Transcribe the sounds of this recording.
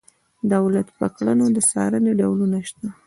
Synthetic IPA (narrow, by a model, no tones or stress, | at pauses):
d̪awlat̪pəklənod̪əsɑ̰ɾəneɖawlunaʃt̪a